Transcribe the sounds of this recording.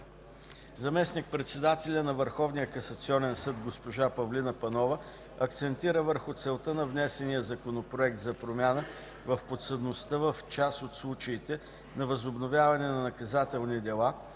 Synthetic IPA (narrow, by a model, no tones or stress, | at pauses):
zɐmɛsnik̚pɾɛt̪sɛd̪at̪ɛlʲənɐvəɾxɔvnijəkɐsɐt̪siɔnɛnsɤd̪ɡospoʒapɐvlinəpɐnɔvə | ɐk̚t̪sɛnt̪iɾəvəɾxʊt̪sɛlˠt̪ənɐvnɛsɛnijəzɐkonopɾoɛk̚t̪zɐpɾomʲjanə | vɐfpot̪səd̪nost̪əvəft͡ʃasot̪slˠut͡ʃəit̪ɛ | nɐvɐzobnovʲjavɐnɛnɐnɐkɐzat̪ɛlˠnid̪ɛlˠa